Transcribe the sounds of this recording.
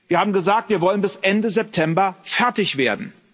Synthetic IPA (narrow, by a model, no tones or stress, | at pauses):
vviːɐhaːbm̩ɡəzaːk̚tv̥iːɐvɔlənbɪsʔɛndəzɛp̚tʰɛmbɐfɛɐtɪçv̥eːɐdn̩